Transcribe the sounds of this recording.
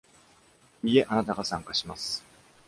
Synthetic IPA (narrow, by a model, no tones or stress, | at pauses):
ie̞ʔanat̪aɡasãŋkaɕimasɨ̥